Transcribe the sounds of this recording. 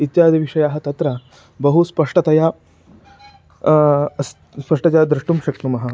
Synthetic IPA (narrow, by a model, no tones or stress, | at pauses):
it̪jaːd̪iʋiʂɐjaːɦɐt̪ɐt̪ɾɐ | bɐɦuspɐʂʈɐt̪ɐja | s | spɐʂʈɐt͡ɕjad̪ɾiʂʈumɕɐkt̪umɐɦɐ